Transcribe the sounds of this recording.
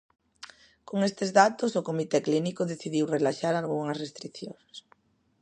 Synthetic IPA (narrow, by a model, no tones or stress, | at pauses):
koŋest̪ezðat̪osʊkomit̪ɛklinikʊðeθiðiwrelaʃaɾalɣuŋɐsrest̪ɾikθjoŋs